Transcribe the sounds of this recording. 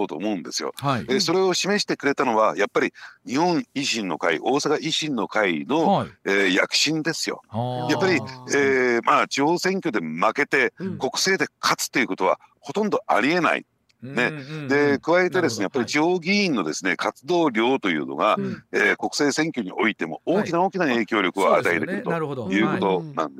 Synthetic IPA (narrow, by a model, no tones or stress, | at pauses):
ot̪o̞̰ːmo̞ɯ̟̃nd̪e̞̰sɨjo̞̰eso̞ɾe̞o̞ɕime̞ɕi̥t̪e̞kɯ̟ɾe̞t̪ano̞βajapːaɾʲiɲ̟ihõ̞ŋ̃iʑĩnːo̞̰kaḭʔo̞ːsakaʔiɕĩnːo̞kaino̞eːja̰kɯ̟̥ɕĩnd̪e̞sɨjo̞̰japːaɾʲieːmaːt͡ɕiho̞ːsẽ̞ŋkʲo̞d̪e̞make̞t̪e̞ko̞kɯ̟̥se̞ːd̪e̞kʰat͡sɨ̥t̪ːe̞iɯ̟ko̞t̪o̞β̞a̰ho̞t̪õ̞nd̪o̞a̰ɾʲie̞na̰ḭ | ne̞d̪e̞kɯ̟βaet̪e̞d̪e̞sɨne̞japːaɾʲit͡ɕiho̞ːɡʲiĩnːo̞d̪e̞sɨne̞kʰat͡sɨd̪o̞ːɾʲo̞ːt̪o̞jɯ̟̰ːno̞̰ɡa̰eːko̞kɯ̟̥se̞ːsẽ̞ŋkʲo̞ɲ̟iʔo̞̰it̪e̞mo̞̰oːkʲinao̞ːkʲinae̞ːkʲo̞ːɾʲo̞kɯ̟oa̰t̪aet̪ekɯ̟ɾɯ̟t̪o̰jɯ̟ːko̞t̪o̞nã̰nd̪e